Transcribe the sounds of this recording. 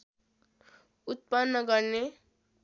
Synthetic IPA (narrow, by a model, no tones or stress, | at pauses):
ut̪̚panːʌɡʌrne